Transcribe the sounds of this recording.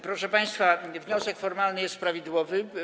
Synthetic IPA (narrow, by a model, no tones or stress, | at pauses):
pɾɔʂɛpaj̃st̪favɲɔsɛkfɔɾmalnɘjɛst̪pɾavʲid̪wɔvɘ